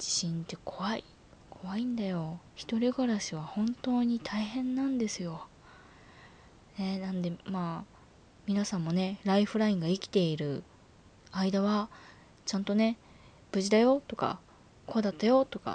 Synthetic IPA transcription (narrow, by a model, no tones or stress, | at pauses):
d͡ʑi̥ɕĩnt̪e̞kʰo̞βaḭ | kʰo̞βaĩnd̪ajo̞çi̥t̪o̞ɾʲiɡaɾaɕiβ̞ahõ̞nt̪o̞ːɲ̟it̪ʰaihẽ̞nːãnd̪e̞sɨjo̞ | ne̞nãnd̪e̞maː | mʲinasãmːo̞ne̞ɾaiɸɯ̟ɾaĩŋɡaikʲi̥t̪e̞iɾɯ̟ | aid̪aβa | t͡ɕãnt̪o̞ne̞ | b̥ɯ̟ʑid̪ajo̞t̪o̞ka̰ | ko̞ːd̪at̪ːajo̞t̪o̞ka̰